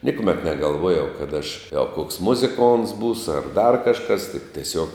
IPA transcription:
ˈnʲɪkʊˌmʲɛt nʲɛɡɐlˠˈʋoːjɛʊ kɐt ɐʃ ɐ koːks ˈmʊzʲɪˌkoːnts ˈbuːsʊ ɐr dɐr kɐʃˈkɐs tʲɪk tʲɛˈsʲuɔk

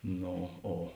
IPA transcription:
ˈnoː ˈoː

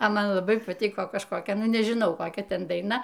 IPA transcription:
ɐ ˈmɐn lˠɐˈbɐɪ pɐˈtʲiːkoː kɐʃkoːˈkʲɛ ˈnʊ nʲɛʒʲɪˈnɐʊ koːˈkʲɛ ˈtʲɛn dɐɪˈnɐ

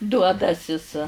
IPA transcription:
ˈduɔdɐsʲɪs

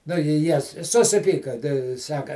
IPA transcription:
nʊ ɪ ˈjiɛ sʊsʲɪˈpʲiːkɐ tʲɛɪ ˈsɑːkɐ

